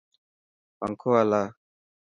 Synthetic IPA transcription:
pa̰ŋkʰɔala

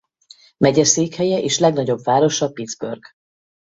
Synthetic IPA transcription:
mɛɟɛseːkhɛjɛʔeːʃlɛɡnɒɟo̞bvaːɾo̞ʃɒpid̪zbø̰rɡ̥

